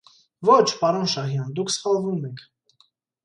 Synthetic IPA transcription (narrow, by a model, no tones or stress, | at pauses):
vɔt͡ʃʰpɑɾɔnʃɑɦjɑnd̪ukʰsχɑlˠvumɛkʰ